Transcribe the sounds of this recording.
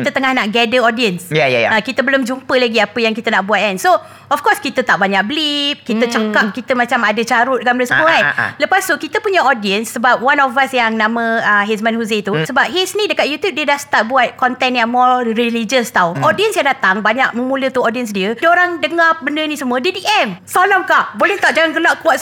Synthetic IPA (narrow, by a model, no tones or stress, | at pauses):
kit̪ət̪əŋahnaʔɡɛdəɔdiənsjajaaakit̪əbəlʊmd͡ʒumpəlaɡiapəjaŋkit̪ənaʔbuat̪̚anso | ɔfkɔskit̪ət̪aʔbaɲaʔ̚bəlip̚kit̪ət͡ʃak̚akit̪əmat͡ʃamadət͡ʃaɾʊt̪̚ɡamɾəsəmuəa̰ləpast̪ukit̪əpuɲəɔdiənsːəbap̚wanɔfasjaŋnãmə̃əɦes̬manhuzet̪usəbap̚ɦesnĩdəkat̪̚jut̪jup̚dedahst̪at̪̚buat̪̚kɔnt̪ɛnjaŋmɔrilid͡ʒəst̪auʔɔdiənsjaŋdat̪aŋbaɲak̚mə̃mũlət̪uɔdiəns̬diədoɾaŋdəŋabəndənĩsəmũədədiʔɛmsolɔmkaʔbolɛht̪aʔ̚d͡ʒaŋaŋɡəlaʔkuwaʔ